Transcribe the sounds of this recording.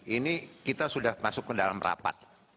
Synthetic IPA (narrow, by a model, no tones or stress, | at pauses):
inikit̪asudahmasʊkːədalamra̰pa̰t̪̚